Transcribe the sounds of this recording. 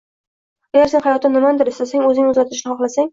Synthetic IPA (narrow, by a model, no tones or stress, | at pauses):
aɡʲaɾse̞nhajɒt̪ːɪnɪmand̪ɪɾɪst̪asaŋɵzɪnʊzɾat̪ʰɪʃnɪhɒχlˠasaŋ